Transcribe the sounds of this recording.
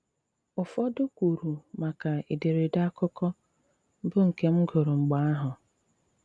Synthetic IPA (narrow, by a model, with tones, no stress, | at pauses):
ʊ˨fɔ˦dʊ˦kʷu˨ɾu˨ma˨ka˨i˨de˨ɾe˨da˦kʊ˦kɔ˦ | bʊ˦ŋ̩˨ke˦m̩˦ɡʊ˨ɾʊ˨ŋ͡m̩˨ɡ͡ba˦a˦ɦʊ˨